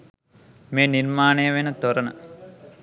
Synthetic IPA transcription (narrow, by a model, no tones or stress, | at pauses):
meːniɾmaːneːɐʋenɐt̪oɾɐnɐ̰